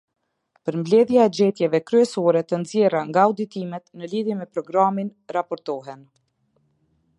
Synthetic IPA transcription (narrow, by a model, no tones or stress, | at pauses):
pəɾmblɛðjaɛd͡ʑɛt̪jɛvɛkɾyɛsɔɾɛt̪ənzjɛraŋɡaud̪it̪imɛt̪nəliðjɛmɛpɾɔɡɾaminɾapɔɾt̪ɔɦɛn